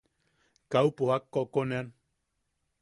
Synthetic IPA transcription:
kaupohakːɔkonean

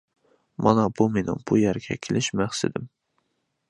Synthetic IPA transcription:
mɑnɑbumenɪ̰ŋb̥ujæɾɡʲɛ̰kʲʰelɪʃmæχsɪd̪ɪm

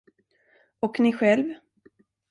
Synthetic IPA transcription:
ɔknɪɧɛlv

